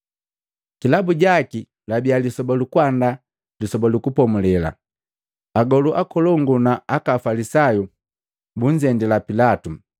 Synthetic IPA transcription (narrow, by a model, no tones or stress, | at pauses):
kilabuɟaki | labialisɔbalukwanda | lisɔbalukupɔmulɛla̰ | aɡɔluʔakɔlɔŋɡunaakafalisaju | buɲ̩d͡ʒɛndilapilatu